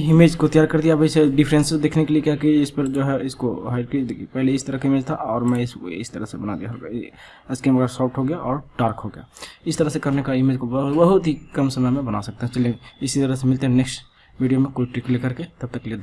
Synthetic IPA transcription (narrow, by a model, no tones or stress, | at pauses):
ɪmed͡ʒkot̪əjaːɾkəɾd̪ijabəiseɖɪpʰɾẽnsd̪eːkʰnekeliekɛkeɪspəɾd͡ʒoɦɛɪskoɦaɪɖ̚kid̪ekpɛɦleɪsi̥t̪əɾəkaɪmeːd͡ʒt̪ʰaʔɔːɾmɛ̃ɪsɪ̰si̥t̪əɾəsebəna̰d̪ijaɦɾ | ɪskeməɡəɾsɔːlʈɦoɡejaʔɔːɾɖaːɾkɦoɡja̰ɪsi̥t̪əɾəɦsẽkɐɾnekaɪmeːd͡ʒkobəɦbəɦʊt̪ɦikɐmsəməjmẽbəna̰sɐk̚t̪eɦɛ̃t͡ʃəlijẽɪsit̪əɾəɦsemɪlt̪eɦɛ̃neksʈ | miɖijamẽkoiʈɾiklekəɾket̪ɐb̚t̪əkled̪